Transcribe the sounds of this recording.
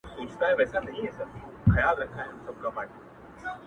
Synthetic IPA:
soːt͡ʃʰt̪aɦɛʋɛɦːsanɐɦĩɦɛːsɐt̪ibʱɐjalɾɐkʰaɦɛɦmsɐb̚kɐmaːʈe

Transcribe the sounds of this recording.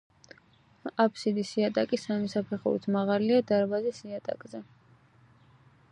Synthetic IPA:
apʰsid̪isiat̪ʼakʼisamisapʰɛχṵɾḭt̪ʰmaʁaliad̪aɾbazisiat̪ʼa̰kʼzɛ

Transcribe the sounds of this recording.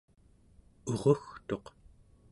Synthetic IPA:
oʁoxt̪o̞q

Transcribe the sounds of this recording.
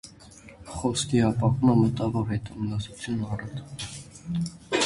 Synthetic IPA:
χɔskʰiɑpɑkuməmət̪ɑvɔɾhɛt̪umnɑsut͡sʰjunɑrɑt̪

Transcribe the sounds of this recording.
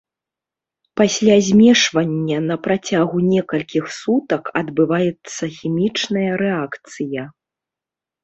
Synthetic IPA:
pasʲlʲazʲmʲɛʂvɐnʲːɐnɐpɾat͡sʲaɣunʲɛkɐlʲkʲixsut̪ɐkɐd̪bɨvajɛt̪sːɐxʲimʲit͡ʂnɐjɐɾɛakt̪sɨjɐ

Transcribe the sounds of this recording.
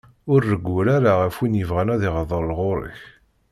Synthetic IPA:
ʊɾːəɡːuɾaɾaʁəfwinjəvʁænæðɪʁəðˤəɾˤlʁʊɾˤə̰ç

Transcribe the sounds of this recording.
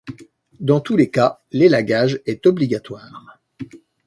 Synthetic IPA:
d̪ɑ̃t̪ulekalelaɡaʒɛt̪ɔbliɡat̪waːʁ

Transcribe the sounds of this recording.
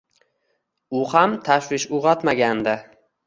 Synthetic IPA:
ʊhamt̪ʰaʃwɪʃʊʁɑt̪maɡʲand̪ɪ

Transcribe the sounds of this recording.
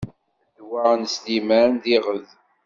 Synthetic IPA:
d̪wæʁnslimæɾnðiʁəð

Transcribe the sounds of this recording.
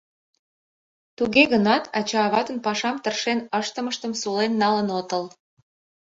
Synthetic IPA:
t̪uɣeɣənɑt̪ʰɑt͡ɕɑːβɑt̪ə̆npɑʃɑmt̪ərʃenəʃt̪əməʃt̪əmsulenːɑlənot̪əl

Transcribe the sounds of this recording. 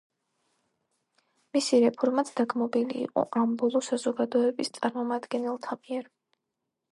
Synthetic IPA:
misiɾɛpʰɔɾmat̪sʰd̪aɡmɔbilḭːqʼɔ̰ʔambɔlˠɔsazɔɡad̪ɔɛbist̪sʼaɾmɔmad̪ɡɛnɛlˠt̪ʰamiɛɾ

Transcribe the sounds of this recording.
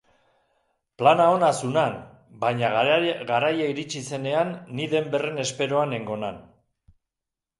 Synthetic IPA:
planao̞nasunan | bajɲaɡaɾajaiɾit͡ʃise̞ne̞anːiðe̞mbe̞re̞ne̞spe̞ɾo̞ane̞ŋɡo̞na̰n

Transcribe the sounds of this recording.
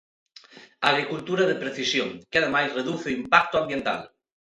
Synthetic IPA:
aɣ̞ɾikult̪uɾaðepɾeθisjoŋkeaðemajzreðuθeimpak̚t̪oambjent̪a̰l

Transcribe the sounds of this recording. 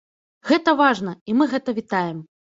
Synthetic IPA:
ɣɛt̪ɐvaʐn̪ɐimɨɣɛt̪ɐvʲit̪ajɛm

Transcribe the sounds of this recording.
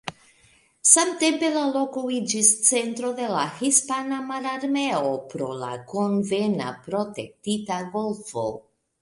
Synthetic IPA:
samte̞mpe̞lalo̞koid͡ʒist͡se̞ntɾo̞de̞lahispanamaɾaɾme̞o̞pɾo̞̰la̰ko̞nve̞na̰pɾo̞te̞k̚titaɡo̞lfo̞̰

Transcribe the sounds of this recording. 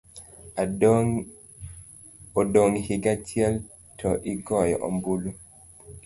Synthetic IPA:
odoŋhɪɡatjɛl | tʰɔʔɪɡɔjɔʔɔ̰mbulu

